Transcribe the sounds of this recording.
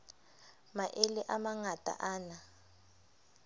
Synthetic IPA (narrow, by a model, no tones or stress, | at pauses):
maʔeliʔamaŋatʼa̰ʔaːna